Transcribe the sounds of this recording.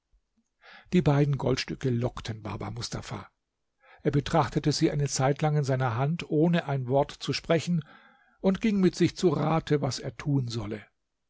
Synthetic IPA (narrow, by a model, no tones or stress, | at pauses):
d̥iːbaɪdn̩ɡɔ̰ltʃtʏkəlɔktʰənba̰ɐba̰mʊstʰa̰fa̰ː | ʔeːɐbətʁ̥aχtətəziːʔaɪnət͡saɪtʰlaŋɪnzaɪnɐɦantʔoːnəʔaɪnvɔɐtt͡suʃpʁ̥ɛçn̩ | ʔʊntɡ̥ɪŋmɪtz̥ɪçt͡suʁaːtʰəvaseːɐtʰuːnzɔlə